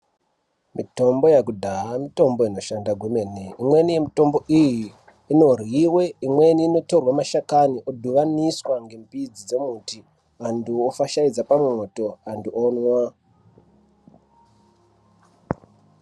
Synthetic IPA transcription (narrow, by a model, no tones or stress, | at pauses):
mito̞mbo̞jakudʱaɦamito̞mbo̞ino̞ʃandaɡʱumeneimwe̞nije̞mito̞mbo̞ʔijiː | no̞riwe̞imwe̞niːno̞to̞rwamaʃakaniʔodʱuʋaniswaŋɡe̞mpid͡zid͡ze̞muti | anduofaʃaid͡zapamwoto̞anduʔonwa